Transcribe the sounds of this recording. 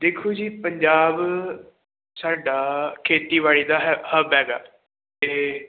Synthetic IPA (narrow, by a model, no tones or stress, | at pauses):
d̪eːkʰːuːd͡ʒiːpəɲd͡ʒaːb | saːɖaːkʰeːt̪iːʋaːɭiːd̪aːɦhəbɦɛːɡaː | t̪eː